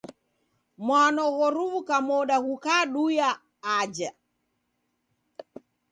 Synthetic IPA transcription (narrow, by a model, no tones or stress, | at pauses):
mwanɔɣɔɾuvukamɔɗaɣukaɗujaː | d͡ʒa